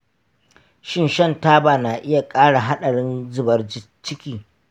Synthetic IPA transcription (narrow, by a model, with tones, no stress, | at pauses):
ʃɪ˦nʃɐ˦˨ntaː˦baː˨naː˨ʔɪ˦ja˨kʼaː˦ɽa˨ɦa˦ɗɐ˨ɽɪ˦nzʊ˨bɐ˨rd͡ʒɪ˦ | t͡ʃɪ˦kʲiː˨